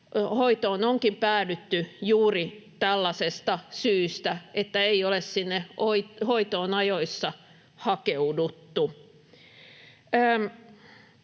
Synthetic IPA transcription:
hoit̪oːnoŋkimpæːlyt̪ːyjuːrit̪ælːɑsest̪ɑsyːst̪æet̪ːæeiolessinːeoihoit̪oːnɑjoisːɑ | hɑkeudut̪ːu

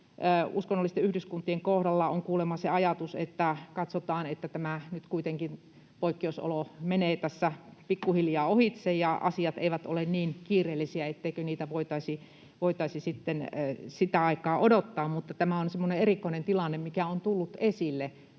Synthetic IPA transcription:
uskonːolːist̪eyhdyskunt̪ːˑieŋkohɾɑlːɑoŋkuːlemɑseɑjɑt̪usḛt̪ːækɑt̪sot̪ɑːnet̪ːæt̪æmænyt̪kuit̪eŋkin | poikːeeuso̰lomeneːt̪æsːæpikːuhiljɑːohit̪sejjɑɑ̰siɑt̪ḛiʋæt̪o̰lenniːnkiːreːlːisiæet̪ːeikøniːt̪æʋoit̪ɑisi | ʋoit̪ɑisisit̪ːensit̪æɑikɑːʔodot̪ːɑːmmut̪ːɑt̪æmæonsemːoneerikːˑoinent̪ilɑnːemmikæont̪ulːut̪esilːe

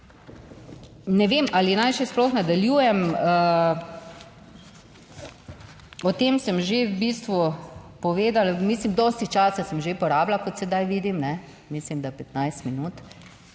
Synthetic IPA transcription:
nɛʋeːmʔalinajʃɛsplɔxnad̪aljuːjɛmə | ɔt̪eːmsəmʒebist̪ʋupɔʋeːd̪almiːslimd̪ɔːst̪it͡ʃaːsasəmʒepɔɾaːblakɔt̪sɛd̪ajʋiːd̪imnɛ | mislimd̪apɛt̪najst̪minuːt̪

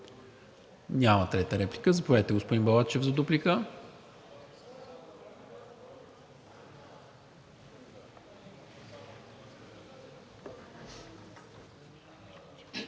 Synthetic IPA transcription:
nʲamət̪ɾɛt̪əɾɛplikəzəpovɛt̪ɛɡospod̪inbɐlˠat͡ʃɛvzɐd̪uplikə

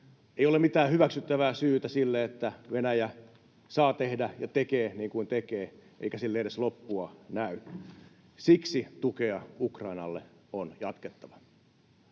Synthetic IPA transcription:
eijolemit̪æːhyʋæksyt̪ːæʋæːsyːt̪æsilːeet̪ːæʋenæjæ | sɑːt̪ehdæjɑt̪ekeːniːŋkuint̪ekeːʔḛikæsilːeeɾeslopːuɑnæy | siksit̪ukeɑukrɑinɑ̰lːeonjɑt̪ket̪ːɑʋɑ̥

